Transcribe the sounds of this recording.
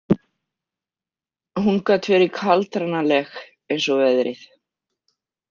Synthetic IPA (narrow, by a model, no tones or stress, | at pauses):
huŋkat̪ʰvɛɾɪkʰalt̪ɾanalɛx | ejnsɔvɛðɾɪ̰θ